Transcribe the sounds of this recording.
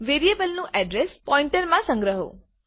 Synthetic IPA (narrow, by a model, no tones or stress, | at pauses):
ʋeɾijebəlnũʔɛɖɾespɔĩɳʈəɾmãsə̃ŋɡɾəɦo̰